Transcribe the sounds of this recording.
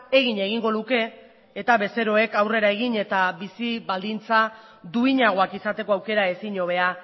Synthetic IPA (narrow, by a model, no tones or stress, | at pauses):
e̞ɣiɲe̞ɣ̞iŋɡo̞luke̞ː | t̪aβe̞se̞ɾo̞e̞kawre̞ɾae̞ɣ̞iɲe̞t̪abisiβald̪int͡sa | d̪uiɲaɣ̞o̞akisat̪e̞ko̞awke̞ɾaesiɲo̞β̞e̞a